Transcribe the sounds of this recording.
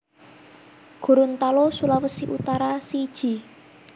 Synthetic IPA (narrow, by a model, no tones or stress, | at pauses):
ɡ̥ṳɾʊnt̪alosulawəsiʔut̪aɾasid̥ʒ̥i̤